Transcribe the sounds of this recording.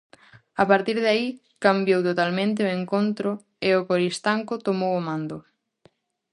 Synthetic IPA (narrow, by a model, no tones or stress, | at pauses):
apaɾt̪iɾðai | kambjowt̪ot̪almẽnt̪̬ɪoeŋkont̪ɾʊ | eʊkoɾist̪aŋkʊt̪omowomãnd̪ʊ